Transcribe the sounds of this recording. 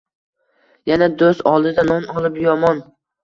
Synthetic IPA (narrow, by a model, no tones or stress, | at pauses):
janad̪osɒlˠd̪ɪd̪anɒnɒlˠɪpjɒmɒn